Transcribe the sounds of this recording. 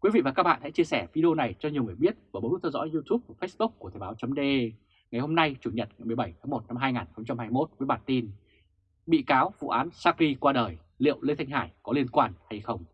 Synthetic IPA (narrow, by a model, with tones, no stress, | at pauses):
kwi˨˦vḭ˧˨vaː˨˩kaː˦˥ɓa̰ː˧˨nsɛ̰˧˥t͡ɕi˧əsɛ˧˩vi˧ɗi˧o˧na˨˩jt͡ɕɔ˧ɲ˨˩əwŋɨ˨˩əjɓi˦˥ət̚vəː˧˩o˨˦n˦˥t̪ʰwzɔ̰˧˥jzu˧t̪u˦˥p̚vfə˦˥sɓʊ˦˥k͡p̚kːu˧˩ət̪ʰɛ˨˩ɓaː˨˦wt͡ɕə˨˦ŋ͡mɗe˧ | ŋa˨˩jho˧mna˧jt͡ɕu˧˩ɲə˨˩t̚ŋa˨˩jmɨ˨˩əjɓə˧˩jt̪ʰaː˨˦ŋmo˨˩t̚na˧mɦaː˧jŋaː˨˩nxə˧wŋ͡mt͡ɕa˧mhaː˧jmo˦˥t̚vəː˨˦jɓaː˧˨˩nt̪i˧n | ɓḭ˧˨kaː˨˦wvṵ˧˨ʔaː˨˦nsaː˧k̚li˧kwaː˧ɗəː˨˩j | lḭ˧˨əwləe˧t̪ʰa˧ŋɦaː˧˩jkɔ˨˦li˧ənkwaː˧nha˧jxə˧wŋ͡m